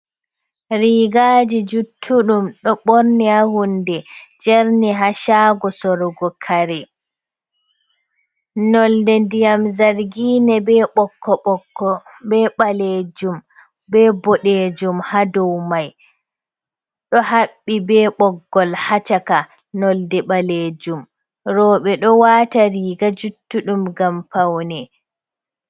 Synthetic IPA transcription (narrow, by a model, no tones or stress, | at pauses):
ɾiːɡaːd͡ʒid͡ʒutʰːuɗumɗɔɓoɾnihahundɛd͡ʒɛɾniɦaʃaːɡɔsɔɾɔɡɔkʰaɾɛ | nɔldɛndijamzaɾɡiːnɛbɛɓɔkʰːɔɓɔkːɔbɛɓaleːd͡ʒum | bɛbɔɗed͡ʒumhadɔwmaj | ɗɔhaɓːibɛːɓɔɡːɔlhat͡ʃaka | nɔldɛɓaled͡ʒum | ɾɔːɓɛɗɔwaːtaɾiːɡad͡ʒutːuɗumɡampawnɛ